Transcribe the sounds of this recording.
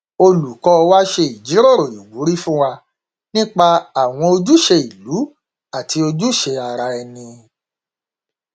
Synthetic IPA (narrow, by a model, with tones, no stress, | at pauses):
o˧lu˨kɔ˧wa˦ʃe˧i˨d͡ʒi˨˦ɾo˦˨ɾo˨i˨ɡu˨˦ɾi˦fũ˦wa˧ | nĩ˦k͡pa˧a˨w̃ɔ̃˧o˧d͡ʒu˦ʃe˧i˨lu˨˦ | a˦˨ti˧o˧d͡ʒu˦ʃe˧a˧ɾa˧ɛ˧nĩ˧